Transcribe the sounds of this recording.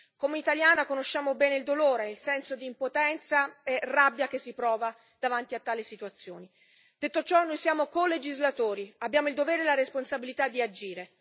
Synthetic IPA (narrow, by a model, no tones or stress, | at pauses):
komeit̪aljaːnakonoʃːaːmobɛːneild̪oloːɾenelsɛnsod̪iːmpot̪ɛnt̪saerabːjakesːipɾɔːva | d̪̥avant̪iat̪ːaːlisit̪uat̪sːjo̰ːni | d̪et̪ːot͡ʃɔnːojsjaːmokoled͡ʒizlat̪oːɾiabːjaːmoild̪ovɛːɾelaɾesponsabilit̪ad̪ːiad͡ʒiːɾe